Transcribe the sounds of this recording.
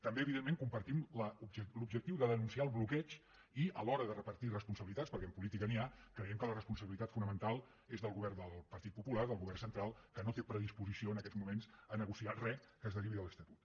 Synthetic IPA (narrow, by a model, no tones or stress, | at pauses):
t̪əmbeəβiðemeŋkumpəɾt̪imləubʒəlubʒək̚t̪iwðəðənunsiaəlˠβlukɛt͡ʃ | iəlɔɾəðərəpəɾt̪irəspunsəβilit̪aspəɾkɛəmpulit̪ikəniakɾəjɛmkələrəspunsəβilit̪at̪funəmənt̪alˠ | ezðəlˠɣuβɛrnd̪əlˠpəɾt̪it̪̚pupulaɾðəlˠɣuβɛrnsənt̪ɾalˠkənot̪epɾəð̞ispuzisioənəkɛzmumensənəɣusiarɛkəzðəriβiðələst̪ət̪u̥t̪